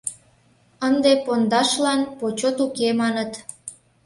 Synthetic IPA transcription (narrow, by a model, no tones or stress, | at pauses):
ənd̪epond̪ɑʃlɑnpot͡ɕot̪ukemɑnət̪